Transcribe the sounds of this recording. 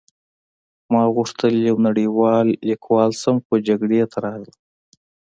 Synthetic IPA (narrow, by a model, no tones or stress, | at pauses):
mɑɣuʂt̪əljawnaɽiwɑːlːikʰwɑːlsamxod͡ʒaɡɽet̪ʰaɾɑɣl